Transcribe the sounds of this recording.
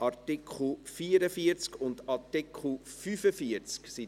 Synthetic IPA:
ɑɾtikχl̩fiːəɾəfiəɾt͡skʊndɑɾtikχl̩fyfəfiəɾt͡sksi

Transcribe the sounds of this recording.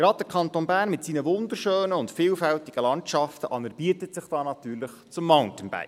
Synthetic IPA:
ɡ̥ɾɑd̚d̥əɾkʰɑntonbæːɾnmɪtsiːnəʋʊnd̪əɾʃøːnəʊntfiːlfæltiɡ̥əlɑntʃɑftəʔɑnəɾb̥iətətsɪχd̥ɑːnɑtyːɾlɪχt͡sʊmːaʊntənba̰ɪ

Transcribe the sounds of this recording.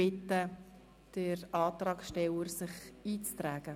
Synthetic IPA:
ɪt̪ːə | d̥ərɑːt̪rɑːksʃtɛləɾsɪχiːt͡st̪ræːɡ̥ə

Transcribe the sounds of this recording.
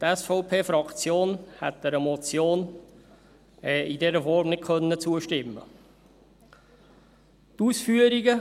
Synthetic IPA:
tɛsfɔʊpʰeːfɾɑkt͡sjoːnhɛ̰t̪dɛɾəmɔt͡sjoːn | ɛidɛɾəfɔɾmnɪt̚kʰœnːət͡suəʃtɪmːə̰ | tuːsfyəɾiɡə

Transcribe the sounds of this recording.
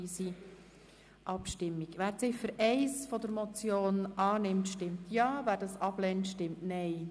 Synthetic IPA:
isi | ʔɑpʃtɪmːikʋæːɾt͡sɪfəɾʔɛɪsfɔd̥̪əɾmɔt͡sjoːnɑːnɪmtʃtɪmtjɑːvæːɾdɑsɑb̥lɛntʃtɪmtnɛɪ

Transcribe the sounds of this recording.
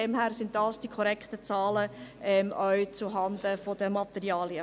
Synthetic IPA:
ɛmɦæːɾsɪntd̥ɑːsd̥ikʰɔɾɛkχt̪ət͡sɑːləɛmʔœʏt͡suɦɑnd̪əfod̥əmɑt̪ɛɾiɑːliə

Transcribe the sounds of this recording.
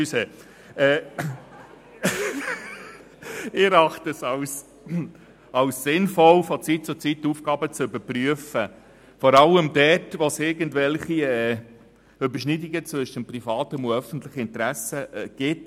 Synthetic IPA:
yse | ɛː | ɪɾɑχtəsɑws | ɑʊssɪnfɔlfɔt͡sit̚t͡sʊt͡sitːufɡ̥ɑːbət͡sʏbəpryəfə | fɔɾɑləmdɛtʋosɪɾɡəntvɛlχiɛː | ʏbəʃnidiɡət͡sʋʏʃəmprifɑːtəmoœfən̩tlɪχəɪnt̪ɾæsəɛɡ̥ɪt

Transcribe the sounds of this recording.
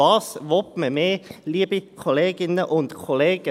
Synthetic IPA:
ɑːsʋɔpməmeːliːəbikʰɔleːɡɪnəʔʊnt̪kʰɔleːɡ̥ə

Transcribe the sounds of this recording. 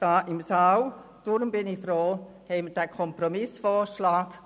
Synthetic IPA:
d̥aːʔɪmsaw | d̥ʊɾmbɪnɪfɾoː | hɛməd̥æːkʰɔmprɔmɪsfɔːʃlaːɡ

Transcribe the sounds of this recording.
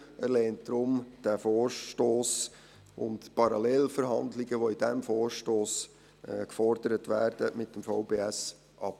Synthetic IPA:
æɾlɛːntd̥ɾʊmd̥æfɔːɾtoːs | ʊ̰ntpɑɾɑlɛlfəɾɦɑndlɪɡəʋoid̥æmfɔːɾʃtoːs | kfɔrd̥əɾətʋæːɾd̥əmɪtːəmfɑʊbeːæs | ʔɑp

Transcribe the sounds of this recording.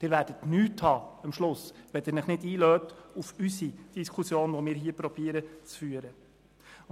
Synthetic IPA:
d̪̥ɪːɾvæːɾd̥ətnyːthɑːəmʃlʊsʋɛd̥ɪɾnəχnɪdiːløːtufysid̥iskʰusjoːnʋomɪːɾɦiːəpɾɔb̥iːəɾət͡sfyːəɾə

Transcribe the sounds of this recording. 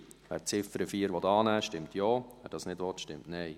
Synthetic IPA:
ʋæ̰ːt͡sɪfəɾəfiːəɾʋɔtɑːnæːʃtɪmt̪jɔːʋæːd̥ɑsnɪdʋɔtʃtɪmtnɛɪ

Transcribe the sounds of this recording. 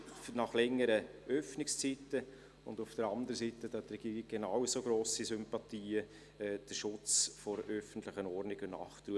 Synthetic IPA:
nɑχlɛŋːəɾəʔœfnɪkst͡sitə | ʊndʊfd̥əɾɑndəɾəsitədɑt̪rɛɡ̥iːɾɪk̚ɡ̥enawsoɡɾoːsisʏmpɑt̪iːə | ɛːd̥əɾʃʊt͡sfɔɾʔœfən̩t̪lɪχənɔɾnɪɡənɑ̰ːχt̪ɾuə

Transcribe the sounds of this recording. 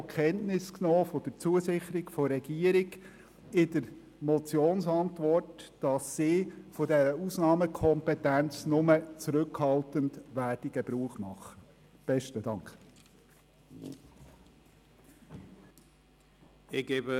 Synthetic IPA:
kʰɛntnɪsknoːfod̥əɾt͡suəsɪχəɾɪɡfɔɾɛɡ̥iːəɾɪɡ | ɪdəɾ | mɔt͡sjoːnsɑntʋɔrtd̥ɑsːiːfodɛɾəusnɑːməkʰɔmpɛtænt͡snʊmət͡sɾɵkhɑltəndʋæːrd̥iɡəbɾuːəχmɑχːə | b̥ɛʃtədɑŋkχ | ɪɡ̥eːbə

